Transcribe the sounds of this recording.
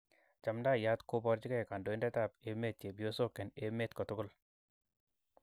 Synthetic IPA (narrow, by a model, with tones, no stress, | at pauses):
t͡ʃa˨mda˦˨ja˦t̪ko˦bɔ˧ɾt͡ʃɪ˦kɛ˦˨ka˨ndo˨e˦ndɛ˦t̪a˦˨pe˦me˦t̪̚t͡ʃe˨bjo˦so˦ke˨ne˦me˦t̪kɔ˨tʊ˦ɡʊ˦l